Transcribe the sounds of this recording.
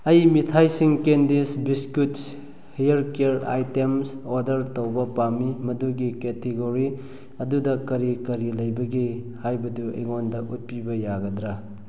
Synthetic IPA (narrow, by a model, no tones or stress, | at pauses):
ɐjmitʰajsiŋkendisbiskuts | hijɐɾkeɾa̰jtemsoɾdɐɾtowbɐpamimɐduɡiketeɡoɾi | ɐdudɐkɐɾikɐɾilɐjbɐɡi | hajbɐduḛjŋondɐʔut̚pibɐjaɡɐdɾa